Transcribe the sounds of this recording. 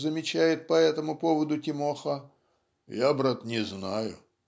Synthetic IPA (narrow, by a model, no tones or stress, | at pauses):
zəmʲɪt͡ɕæjɪt̪̚pɐɛt̪əmʊpovəd̪ʊtʲɪmoxə | jabɾat̪nʲɪznajʊ̰